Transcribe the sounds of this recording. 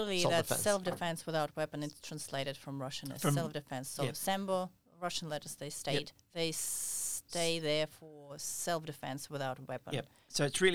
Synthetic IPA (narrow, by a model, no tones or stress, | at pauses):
l̩ˠiðɨ̰ssɛlˠfdɨfɛ̃nswɨðaʊt̚wɛpɨ̃nɨtstʰɹ̥æ̃nsleɪɾɨd̥fɹʌ̃mɹʌʃɨ̃nɨ̰sɛlˠfdɨfɛ̃nsoʊsæ̃mbəlˠ | ɹʌʃn̩lɛɾə˞zðeɪsteɪt̚ | ðeɪsteɪðə˞fə˞sɛlˠfdɨfɛ̰̃nswɨðaʊt̚wɛpə̃n | soʊɨtsɹɪ